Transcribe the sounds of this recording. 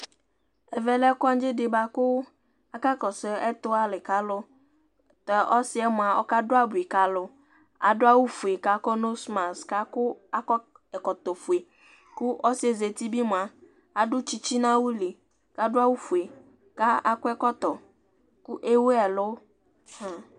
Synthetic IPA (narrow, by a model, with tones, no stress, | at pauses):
ɛ˨vɛ˦lɛ˦kɔ˦a˦n˦d͡ʒɪ˦dɪ˨ba˨kʊ˦ | a˦ka˦kɔ˨se˨ɛ˦t̪ʊ˦a˦lɪ˨ka˦lʊ˦ | t̪ɛ˨ʔɔ˦sɪ˦ɛ˦mʊ˨a˨ɔ̰˦ka˦dʊ˦a˦bu˨i˨ka˦lʊ˦ | a˨dʊ˦a˦wu˦fu˨e˨ka˨kɔ˦no˦sma˨ska˦kʊ˦a˦kɔ˦ | ɛ˨kɔ˨t̪ɔ˨fu˨e˨ | kʊ˦ʔɔ˦sɪ˦ɛ˨ze˨t̪i˦bi˦mʊ̃˨a˨ | a˨dʊ˦t͡ʃi˦t͡ɕi˦nã˦wu˦li˨ | ka˦dʊ˦a˦wu˦fu˨e˨ | ka˦a˨kʊ˦ɛ˦kɔ˦t̪ɔ˨ | ku˦ʔe˦wu˦ɛ˨lʊ˦ | hã˨